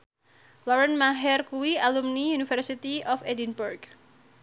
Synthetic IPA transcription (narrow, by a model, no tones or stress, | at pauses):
lɔɾənmaɦɛrkuwialumnijunifərsit̪iɔfedinburɡ